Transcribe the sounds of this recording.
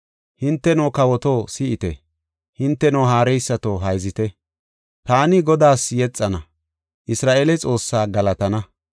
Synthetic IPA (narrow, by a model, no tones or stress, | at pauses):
hɪnt̪ːɛnoːkɐwɔt̪oːsɪʔɪt̪ɛ̰ | hɪnt̪ːɛnoːɦaːɾɛjsːɐt̪oɦɐjzɪt̪ɛ | t̪aːnɪɡɔd̪aːsjɛt͡sʼːɐnɐ | ʔɪsɾaːʔelɛt͡sʼo̞ːsːaːɡɐlɐt̪ɐnɐ